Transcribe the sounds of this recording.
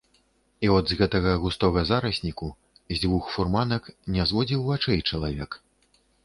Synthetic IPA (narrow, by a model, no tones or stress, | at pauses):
iɔd̪zɣɛt̪ɐɣɐɣust̪ɔɣɐzaɾɐsʲnʲiku | zʲd͡zʲvuxfurmanɐknʲɛzvɔd͡zʲiwvat͡ʂɛjt͡ʂɐlˠavʲɛk